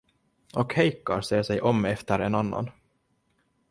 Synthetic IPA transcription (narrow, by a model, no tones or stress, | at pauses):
ɔkhɛjkaɾʂeːʂɛjʔɔmːɛft̪əɾɛnanːa̰n